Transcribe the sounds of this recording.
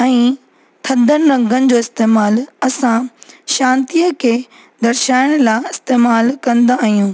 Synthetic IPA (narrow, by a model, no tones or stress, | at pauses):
ɛ̃ː | t̪ʰɐd̪ʱənɪ̆ɾɐ̃ŋɡənɪ̆d͡ʑoːɪst̪eːmaːlɐsãʃãːnt̪iəkʰe | d̪ɐɾʃaːɪɽ̃laɪst̪eːmaːlkɐ̃nd̪aːɦijũː